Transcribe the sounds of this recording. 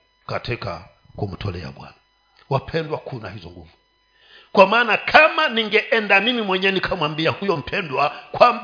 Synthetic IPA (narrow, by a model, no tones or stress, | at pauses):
katika̰ | kum̩tʰɔlɛa̰ɓwa̰na | wapʰɛndwakʰuna̰hizɔ̰ŋɡṵvu | kwamaːnakʰamaniŋɡɛʔɛndaninimwɛɲɛnikʰamwambiahujɔm̩pʰɛndwakwamb